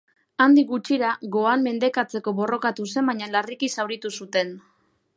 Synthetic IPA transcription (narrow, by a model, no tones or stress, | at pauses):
and̪ikɡut͡ʃiɾaɣo̞anme̞nd̪e̞kat͡se̞ko̞βo̞ro̞kat̪use̞mbaɲalarikisawɾit̪usut̪e̞n